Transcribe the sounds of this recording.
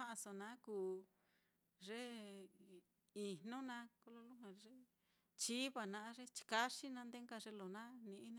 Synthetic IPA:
ã˦ʔa˧so˧nã˨˦kuː˨ | ʐe˦ | i˧nõ˦nã˧˦ko˧lo˧lu˦ɦã˧ʐe˦ | t͡ʃi˦βa˧˨nã˧˦ʐe˦t͡ʃi̥˧ka˦ʂi˦nã˧˦nd̪e˦ŋka˧ʐe˧˦lo˨nã˦nĩ˧ʔĩ˦nã˧˦

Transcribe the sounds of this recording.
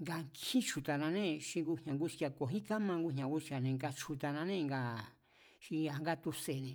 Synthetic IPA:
ŋɡa˧ŋkʰĩ˦t͡ʃu˧t̪a˧nã˧nẽ˦˨ʃi˧ŋɡu˧hɲã˨˧ŋɡu˧t͡ʃa˧ko˨ɦĩ˦ka˦mã˧ɡu˧ɲã˨ŋɡu˧t͡ʃa˨nẽ˧ŋɡa˧t͡ʃu˧t̪a˧nã˧nẽ˦˧ŋɡa˧˨ | ʃi˧a˨ŋɡa˦t̪u˧se˨nẽ˧

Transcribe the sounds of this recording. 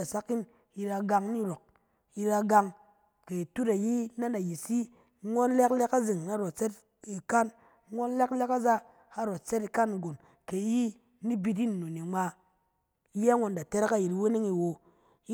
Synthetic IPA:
a˨sa˦ki˦n | i˧ɾa˧ɡa˧ŋni˦ɾo˨k̚ | i˧ɾa˧ɡa˧ŋ | ke˨tu˦ta˨ji˦na˦na˨ji˨si˦ | ŋo˦nlɛ˦klɛ˦ka˦zi˨ŋ˨a˦ɾo˨tt͡se˦t | i˨ka˦n˦ | ŋo˦n˦lɛ˦kle˦ka˦za˦ | ha˦ɾo˨t̚t͡se˦ti˧ka˦ni˨ɡo˨n | ke˨˦ji˦ | ni˦bi˧t̬i˦nː˨o˨ni˨ŋ͡ma˧˦ | ji˦a˦ŋo˧nda˨te˦ɾe˦ka˦ji˨ti˨˦we˦ne˦ŋi˧wo˧˦

